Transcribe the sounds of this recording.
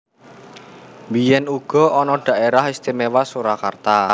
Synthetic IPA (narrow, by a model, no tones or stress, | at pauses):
mbijɛnuɡ̥ɔ̤ʔɔnɔɖ̥a̤ʔeɾahist̪imewasuɾakart̪a